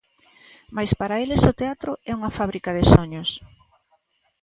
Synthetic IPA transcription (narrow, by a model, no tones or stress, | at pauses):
majspaɾaelɪsʊt̪eat̪ɾʊɛuŋafaβ̞ɾikaðɪsoɲʊs